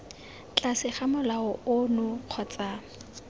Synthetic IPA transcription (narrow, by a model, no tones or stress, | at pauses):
t͡ɬʼasɪχamʊlaʊʊnʊq͡χʰɔt͡sʼaː